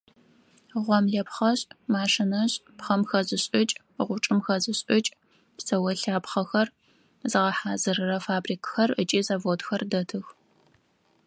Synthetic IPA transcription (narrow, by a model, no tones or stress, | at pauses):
ʁʷɔmɮɐpχɐɕʼmaːʂɪnɐɕʼpχɐmxɐzɨɕʼɪt͡ʃʼ | ʁʷʊʈ͡ʂʼɨmxɐzɨɕʼɪt͡ʃʼ | psɐwɐɬaːpχɐxɐr | zɨʁɐħaːzɨɾɨrɐfaːbriːkxɐrət͡ʃʼiːzavoːtxɐrdɐtʰɨx